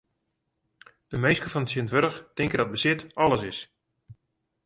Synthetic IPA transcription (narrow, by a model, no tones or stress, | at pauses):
d̥əmejskəfɔnətsjəntʋøɾəxtɪŋkədɔt̚bəsɪtɔlˠəsɪs